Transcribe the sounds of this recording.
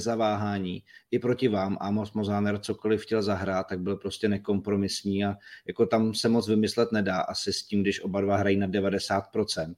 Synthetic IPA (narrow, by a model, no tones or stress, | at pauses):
zavaːɦaːɲiːʔɪpɾo̞cɪvaːmʔamosmozaːnɛɾt͡so̞ko̞lɪfxcɛlzaɦɾaːt̪̚ːaɡ̚bɪlpɾo̞scɛnɛko̞mpɾo̞mɪsɲiːajako̞t̪amsɛmot͡svɪmɪslɛt̪nɛdaːʔasɪsciːmɡdɪʃʔo̞badvaɦɾajiːnadɛvadɛsaːt̪̚pɾo̞t͡sɛnt̪̚